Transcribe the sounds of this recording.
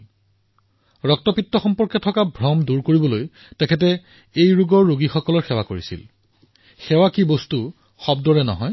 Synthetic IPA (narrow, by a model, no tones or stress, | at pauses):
ɹɔk̚tɔpitːɔxɔmpɔɹkɛtʰɔkabʱɹɔmduɹkoɹibɔloj | tɛkʰɛt̬ɛ | ejɹuɡɔɹːuɡixɔkɔlɔɹxɛwakoɹisḭl | xɛwakibostu | xɔbdɔɹɛnɔ̰ɦɔj